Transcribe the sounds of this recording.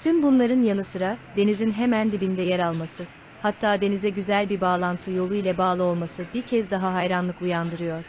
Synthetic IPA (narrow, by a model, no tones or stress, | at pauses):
t̪ʰymbunlˠaɾɯnjanɯsɯɾad̪e̞nizinɦe̞mænd̪ibind̪ɛjɛɾalˠmasɯ | hat̪ʰːaːd̪e̞nizɛɟyzælʲbiɾbaːlˠant̪ʰɯjo̞lˠujlʲɛbaːlˠɯo̞lˠmasɯbiɾcʰɛzd̪aɦaɦajɾanlˠɯkujand̪ɯɾɯjo̞ɾ̥